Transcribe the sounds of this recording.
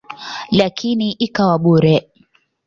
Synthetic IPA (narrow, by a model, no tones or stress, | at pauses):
lakʰiniʔikawaɓuɾɛ